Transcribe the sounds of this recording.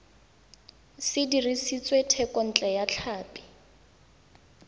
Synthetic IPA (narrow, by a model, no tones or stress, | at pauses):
sɪdirisit͡sʼwetʰɛkɔn̩t͡ɬʼɛjat͡ɬʰaːpʼɪ̥